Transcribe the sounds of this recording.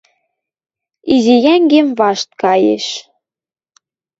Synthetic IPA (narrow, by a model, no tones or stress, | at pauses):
izijæŋɡemvɑʃt̪̚kɑjḛʃ